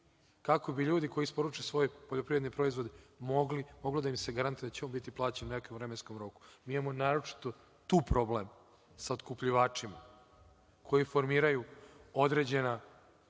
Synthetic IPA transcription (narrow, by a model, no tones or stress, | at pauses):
kako̞biʎuːd̪iko̞jispo̞ɾut͡ʂesʋo̞jpoʎopɾiʋed̪nipɾo̞izʋod̪emoɡlimo̞ɡlod̪aimseɡaɾant̪ujed̪at͡ɕeombit̪iplˠaːt͡ɕeninekeuvɾemenskomɾo̞ku̥miːimamo̞naːɾot͡ʂi̥t̪o̞ | t̪uːpɾo̞blem | saot̪kupʎiʋaːt͡ʂima | kʰo̞jifo̞ɾmiːɾajuod̪ɾe̞ːd͡ʑena